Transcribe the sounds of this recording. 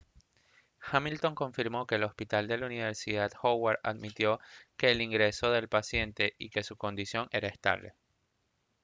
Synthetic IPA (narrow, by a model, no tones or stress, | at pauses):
xamilt̪o̞ŋkõ̞ɱfiɾmo̞ke̞ːlo̞spit̪ald̪e̞launiβe̞ɾsiðað̥xowaɾa̰ðmit̪jo̞ke̞ːliŋɡɾe̞so̞ðe̞lpasje̞nt̪e̞ʔike̞suko̞nd̪isjo̞ŋe̞ɾaest̪a̰βle̞̰